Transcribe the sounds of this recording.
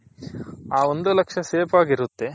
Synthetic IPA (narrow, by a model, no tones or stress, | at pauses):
aːo̞nd̪ulɐkʂɐseːpaːɡiɾut̪ːe̞